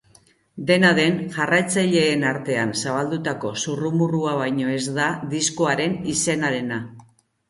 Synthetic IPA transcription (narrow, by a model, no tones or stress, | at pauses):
d̪e̞naðe̞nʝarajt͡saʎe̞ːnaɾt̪e̞ansaβ̞ald̪ut̪ako̞surumuruaβajɲo̞e̞zd̪ad̪isko̞aɾe̞nise̞naɾe̞na